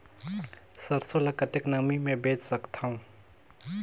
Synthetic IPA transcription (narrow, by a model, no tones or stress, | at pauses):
səɾsolɐkət̪eknɐmimẽbeːt͡ʃsəkt̪ʰaũ